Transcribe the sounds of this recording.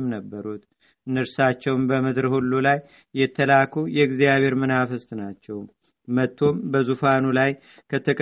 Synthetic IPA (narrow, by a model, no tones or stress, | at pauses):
mnəbːəɾut̪ | ɨnɨɾsat͡ʃːɛwmbəməd̪ɾɨhulːulajː | ɛt̪ʰːəlakʰujɛɨɡzijaβe̞ɾmɨnafəst̪ʼnat͡ʃːɛw | mət̪ʰːo̞mbəzufanulaj | kʰət̪ʰəkʼ